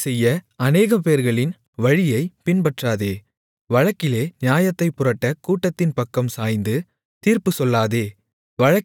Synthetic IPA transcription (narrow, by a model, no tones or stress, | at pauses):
sɛjːɐɐneːɣɐpeːɾɣɐɭɪn | ʋɐɻɪjɐɪpɪnpɐʈraːðeː | ʋɐɻɐkːɪleːnɪjaːjɐt̪ːɐɪpːʊrɐʈːɐkuːʈːɐt̪ːɪnpɐkːɐmsaːjnd̪ɯ | t̪iːɾpɯsɔlːaːðeː | ʋɐɻɐ